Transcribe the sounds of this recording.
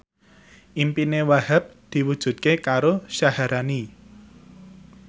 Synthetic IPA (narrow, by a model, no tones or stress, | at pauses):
ʔimpinewahap̚d̪̥i̤wud̥ʒ̥ṳt̪̚kekaɾoʃahaɾʔani